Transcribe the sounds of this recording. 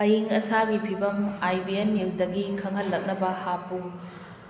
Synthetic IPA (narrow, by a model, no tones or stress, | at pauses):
ɐjiŋɐsaɡipʰibɐmajbienːewsdɐɡikʰɐŋɦɐlːɐk̚nɐbɐhapu